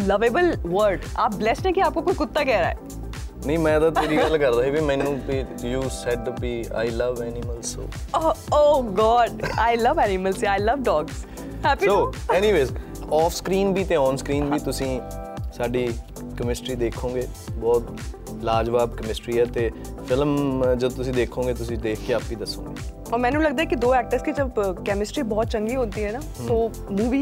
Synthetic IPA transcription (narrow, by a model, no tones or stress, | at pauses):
ləʋeːbəlʋəɾɖaːp̚blɛsʈɛ̃ːkiaːp̚kokot͡ʃkʊt̪ːaːkɛːɾa̰ːɛ̰ː | nəĩmɛ̃ːd̪aːt̪eːɾiːɡəlkəɾd̪aːɦɛbimɛ̃ːnũːpɪɾjuːsɛɖpiːa̰ːɪləʋɛːnɪməlso̰ːooːɡɔːɖaːɪləʋɛːnɪməlsaːɪləʋɖɔːɡs | hɛpioːɛːniːʋeːs | ɔːfskɾiːnbiːt̪eːɔ̃ːnskɾiːnbiːt̪ʊsĩːsaːɖiː | kəmɪsʈɾiːd̪eːkʰõːɡeː | bɔːt̪ | laːd͡ʒʋaːbkəmɪsʈɾiːɛːt̪eː | fʰɪlmd͡ʒəot̪ʊsĩːd̪eːkʰõːɡeːt̪ʊsĩːd̪eːkʰkeaːpʋiːd̪əsːõ̰ːɡeː | ɔːɾmɛ̃ːnũːləɡd̪aɛːkid̪oːɛːk̚ʈəɾskid͡ʒəbkɛːmɪsʈɾiːbɔːt̪̚t͡ʃəŋɡiːɦõnt̪iːɦɛːnaːsoː | mũːʋiː